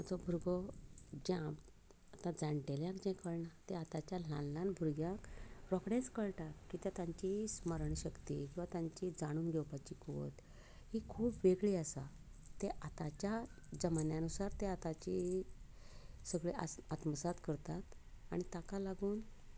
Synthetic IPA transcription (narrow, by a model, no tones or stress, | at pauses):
ad͡zɔbʱuɾɡɔd͡ʑãm | at̪ãd͡zaɳʈeljãkd͡ʑɛ̃kəɭnat̪eat̪at͡ɕjalanlãnbʱuɾɡjãkɾɔkɳẽt͡skəɭʈakkiːt̪jat̪jãɲt͡ɕisməɾəɳɕəkt̪ḭkĩwʋat̪jãɲt͡ɕid͡zaɽ̃uːnɡʱɛwpat͡ɕiko̰t̪ | hikʰuːpʋeɡɭiːasa̰ | t̪eʔat̪at͡ɕjad͡ʑəmanjanusaɾt̪eat̪at͡ɕi | səɡɭeʔa̰at̪məsat̪kəɾt̪at̪a̰ɽ̃it̪akalaɡuːn